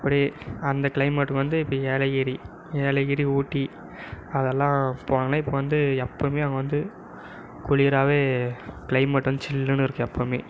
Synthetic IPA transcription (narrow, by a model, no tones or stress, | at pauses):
ɪpːɐɽiɐnd̪ɐkɪɭɐɪmɐʈːɯkɯʋɐnd̪ɯɪpːɐieːlɐɣɪɾi | eːlɐɣɪɾiuːʈːi | ɐðɛlːãːpoːɳɐɡɐnɐ̃ːɪpːoʋɐnd̪ɯɛpːoːmeːɐŋɡɐʋɐnd̪ɯ | kʊɭɪɾaːʋeːkɪɭɐɪmɐʈːʋɐnd̪ɯt͡ʃɪlːɯnɯɪɾɯkːɯ̃ɛpːoːmeː